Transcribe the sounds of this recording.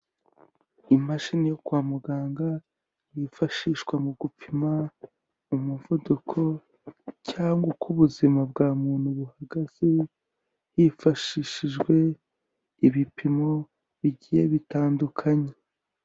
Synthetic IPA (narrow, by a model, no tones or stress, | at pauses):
imaʃinijokwaːmuɡaːŋɡa | jifaʃiːʃɡwamuɡupʰima | umuvudukʰo̞ | caːŋɡokʰuβuzimab̚ɡaːmuːn̥huβuhaɡaz̥i | jifaʃiʃiʒɡwe̞ | iβipʰimo | βiɟije̞βitaːndukʰaɲe